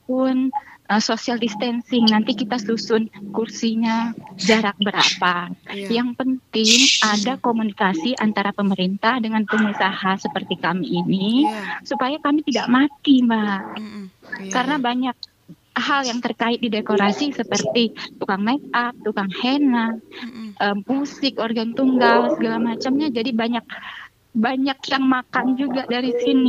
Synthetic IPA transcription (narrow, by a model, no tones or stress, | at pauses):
pʊnəsosialdist̪ɛnsɪŋnant̪ikit̪asusʊnkursiɲad͡ʒaɾak̚bəɾa̰pajaŋpənt̪ɪŋadakomunikasiʔant̪aɾapəməɾint̪ahdəŋanpəŋmisahasəpərt̪ikamiːnisupajakamit̪idaʔmat̪imaɦ | kaɾənabaɲak̚ | ɦaljaŋt̪ərkaɪt̪̚didekoɾasisəpərt̪it̪ukaŋmɛk̚ap̚t̪ukaŋhenat̪̚ʔəmpusɪkorɡant̪uŋɡalsəɡalamat͡ʃamɲad͡ʒadibaɲak̚ | baɲakjaŋmakand͡ʒuɡadaɾisini